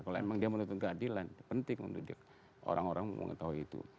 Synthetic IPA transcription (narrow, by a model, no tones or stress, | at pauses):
kaleemaŋdiamənunt̪ʊnkəadilanpənt̪ɪŋmə̰ndidɪk̚ | ʔo̰ɾaŋoɾaŋmə̰ŋə̰t̪aɦuit̪ṵ